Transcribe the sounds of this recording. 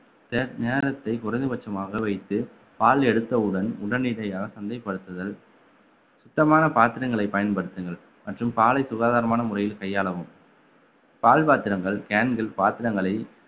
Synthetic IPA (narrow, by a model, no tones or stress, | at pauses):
t̪ɛɾneːɾɐt̪ːɐɪkʊrɐɪnd̪ɯʋɐt͡ʃːɐmaːɣɐʋɐɪt̪ːɯ | paːlɛɽɯt̪ːɐɯɽɐnʊɽɐnɪɽɐjaːɣɐsɐnd̪ɐjɐpːɐɽɯt̪ːɐðɐl | sʊt̪ːɐmaːnɐpaːt̪ɪɾɐŋɡɐɭɐɪpɐjɐnpɐɽɯt̪ːɯŋɡɐɭ | mɐʈrɯmpaːlɐɪsʊɣaːðaːɾɐmaːnɐmʊrɐjɪlkɐjːaːɭɐʋɯm | paːlpaːt̪ɪɾɐŋɡɐɭkaːnɡɪlpaːt̪ɪɾɐŋɡɐɭɐɪ